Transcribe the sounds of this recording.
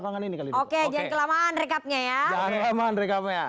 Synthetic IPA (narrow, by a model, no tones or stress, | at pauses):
paŋaninikalioked͡ʒankəlamaʔanrekap̚ɲajad͡ʒaŋankəlamaanɾɛkap̚ɲa